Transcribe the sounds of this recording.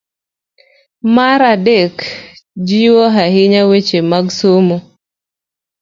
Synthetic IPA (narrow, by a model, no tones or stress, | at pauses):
maɾadekd͡ʒiwɔɦaɦɪɲawet͡ʃemaɡsomo